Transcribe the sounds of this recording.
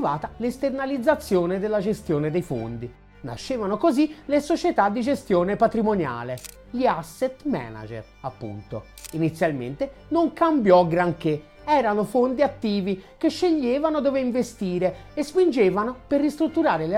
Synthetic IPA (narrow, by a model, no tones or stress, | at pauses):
vaːt̪alest̪ernalid̪zːat̪sːjoːned̪elːad͡ʒest̪joːned̪ejfo̰nd̪i | na̰ʃːeːvanokozilesot͡ʃet̪ad̪ːid͡ʒest̪joːnepat̪ɾimonja̰ːle | ʎiasːet̪mɛ̰na̰d͡ʒḛr | apːṵnt̪o̰ | init̪sːjalmḛnt̪e | noŋkambjɔɡɾaŋke | ɛːɾanofond̪iat̪ːiːvikeʃːeʎːeːvanod̪oːveiɱvest̪iːɾeːspind͡ʒeːvanoperːist̪ɾut̪ːuɾaːɾel